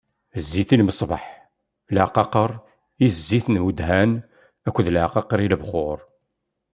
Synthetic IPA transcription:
zːiθilməsˤbɑ̰ħ | lʕqɑqəɾˤ | izːiθnmud̪hæn | ækʷːðlʕqɑqɑɾˤiləbχʊɾˤ

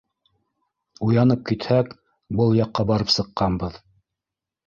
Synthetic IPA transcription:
ujɑnɤp̚kit̪hæk | bɤlˠjɑqːɑbɑɾɤpsɤ̆qːɑnbɤð

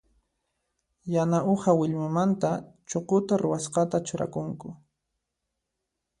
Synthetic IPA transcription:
janaohawɪʎmɪmant̪at͡ʃoqʊt̪aɾʊwasqɑt̪at͡ʃʊɾa̰kʊŋkʊ

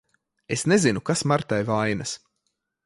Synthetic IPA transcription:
esnezinukasmaɾt̪ajvajnɐs

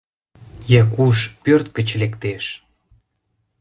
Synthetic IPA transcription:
jɑkuʃpørt̪̚kət͡ɕlekt̪eʃ

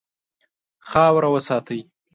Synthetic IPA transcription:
xɑwɾawəsɑːt̪əj

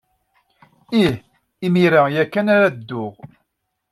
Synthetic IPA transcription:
ih | imiɾajækːænaɾad̪ːʊʁ

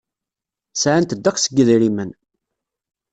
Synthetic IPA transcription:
sʕənt̪əd̪ːækʷsəɡəðɾimən

